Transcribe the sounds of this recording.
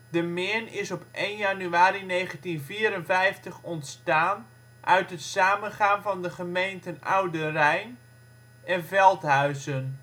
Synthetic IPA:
dəmɪːnɪsɔpʔejnjanyaːɾinejχəntinviːɾənvɛjftəχɔntstaːn | ʔœ̰ɥtɦətsaːmənχaːnvɑndəχəmejntəna̰wdərɛjn | ɛnvɛlˠtɦœɥzən

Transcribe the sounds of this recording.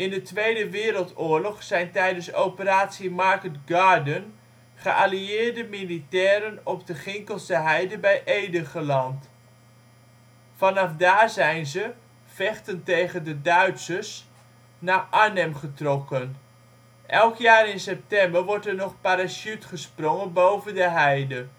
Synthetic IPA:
ɪndətʋejdəʋɪːɾəlˠtʊːɹlɔχsɛjntɛjdənsowpəɾaːtsimaɹkətɡaːɹdən | χəʔaliɪːɹdəmilitɛːɾənɔb̚dəχɪŋkəlˠstəɦɛjdəbɛjʔejdəχəlɑnt | fɑnɑfdaːɹzɛjnzə | fɛχtəntejχəndədœɥtsəs | naːʔaɹnɛmχətrɔkən | ʔɛlˠkjaːrɪnsɛp̚tɛmbəɹʋɔɹtɛɹnɔχpaɾasytχəsprɔŋənbowvəndəɦɛjdə

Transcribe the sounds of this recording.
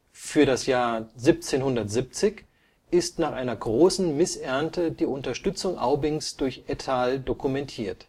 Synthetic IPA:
fyːɐɾasjaːɐzip̚t͡seːnhʊndɐtz̥ip̚t͡sɪç | ʔɪstnaːχʔaɪnɐɡʁoːsn̩mɪsʔɛɐntʰədiːʔʊntɐʃtʏt͡sʊŋʔa̰ʊbɪŋsd̥ʊɐçʔɛtʰaːldokumɛntʰiːɐt

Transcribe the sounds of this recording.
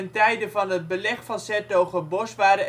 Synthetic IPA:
əntɛjdəvɑnɦəd̚bəlɛχfɑsɛtoχəbɔsʋaːɾə

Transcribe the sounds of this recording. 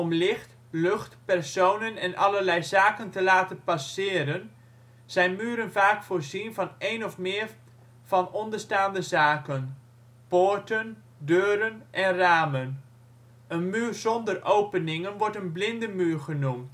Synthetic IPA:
ɔmlɪxt | lɵxtpɛrsownənɛnʔɑlərlɛjzaːkəntəlaːtənpasɪːɾən | z̥ɛjnmyːɾənvaːkfoːɹzinvɑnejnɔfmɪːɹ | v̥ɑnɔndəɹstaːndəzaːkən | poɹtən | døːɾənʔɛnraːmən | ənmyːrzɔndərʔowpənɪŋənʋɔɹtənblɪndəmyːrχənumt

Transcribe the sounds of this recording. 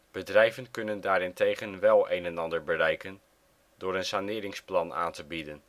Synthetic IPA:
b̥ədrɛjvənkɵnəndaːɾɪntejχənʋɛlˠejnɛnɑndəɹbərɛjkən | dʊːɾənsanɪːɾɪŋsplɑna̰ːntəbidən

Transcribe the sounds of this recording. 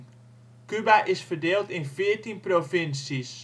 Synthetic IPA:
kybaʔɪsfərdeːlˠtɪnfɪəɹtinprofɪnsis

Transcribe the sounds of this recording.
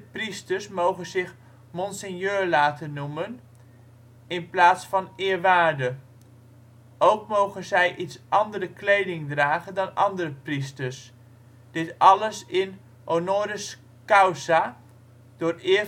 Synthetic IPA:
pristəɹsmowχənzɪχ | mɔnsənjøːlaːtʰənːumən | ɪnplaːtsfɑnɪːɹʋaːɹdə | owkmowχənzɛjʔitsʔɑndərəklejdɪŋdraːχəndɑnɑndərəpristəɹs | d̥ɪtɑləsɪn | ʔonoːɾəs | kawsa | d̥ʊːrɪː

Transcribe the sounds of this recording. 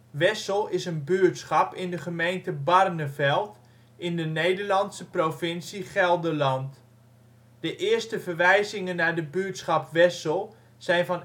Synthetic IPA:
ʋɛsəlˠɪsənbyːɹtsχɑpɪndəχəmejntəbɑrnəvɛlˠt | ʔɪndənejdəɹlɑntsəprofɪnsiχɛlˠdəlɑnt | d̥əʔɪːɹstəvəɹʋɛjzɪŋənːaːɹdəbyəɹtsχɑpʋɛsəlˠ | z̥ɛjnvɑn

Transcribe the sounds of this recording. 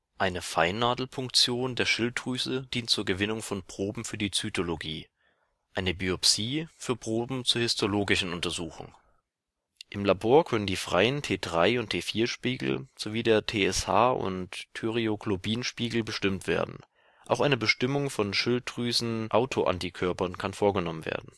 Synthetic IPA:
ʔaɪnəfaɪnːaːdl̩fʊŋk̚t͡sjoːndeːɐʃɪltʁ̥yːzəd̥iːntt͡suːɐɡəvɪnʊŋfɔnpʁ̥oːbm̩fyːɐdiːt͡sytʰoloɡiː | ʔaɪnəbiɔpsiːfyːɐpʁ̥oːbm̩t͡suːɐhɪstʰoloːɡɪʃn̩ʊntɐzuːxʊ̰ŋ | ʔɪmlaboːɐkʰœnəndiːfʁ̥a̰ɪəntʰeːdʁa̰ɪʊntʰeːfiːɐʃpiːɡl̩z̥oviːdeːɐtʰeːɛsha̰ːʔʊ̰ntʰːyʁioɡlobiːnʃpiːɡl̩bəʃtɪmtv̥ḛːɐdn̩ | ʔa̰ʊxʔaɪnəbəʃtɪmʊŋfɔnʃɪltʁ̥yːsn̩ʔaʊtʰoʔa̰ntikʰœɐpɐnkʰanfoːɐɡənɔmənvḛːɐdn̩

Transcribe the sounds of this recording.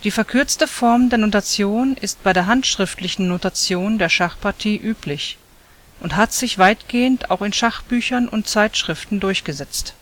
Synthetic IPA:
d̥iːfɛɐkʰʏɐt͡stəfɔɐmdeːɐnotat͡sjoːnɪst̚b̥aɪdeːɐɦantʃʁ̥ɪftlɪçn̩notat͡sjoːndeːɐʃaχpʰaɐtʰiːʔyːpʰlɪç | ʔʊnthatz̥ɪçv̥aɪtɡ̥eːənta̰ʊxɪnʃaχb̥yːçɐnʊnt̚t͡saɪtʃʁ̥ɪftn̩dʊɐçɡ̥əzɛt͡st

